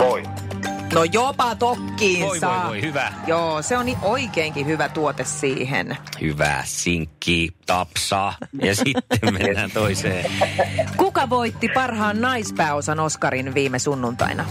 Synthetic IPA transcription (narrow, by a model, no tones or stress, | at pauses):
toi | nojopɑt̪okːiːnsɑlihyʋæjoːseoniʔoikeːŋkihyʋæt̪uot̪essiːɦḛnhyʋæ̰ːsiŋkːiːt̪ɑpsɑːjjɑsit̪ːemmenænt̪oiseː | kukɑʋoit̪ːipɑrhɑːnnɑispæːosɑnoskɑɾinʋiːmesunːunt̪ɑ̰inɑ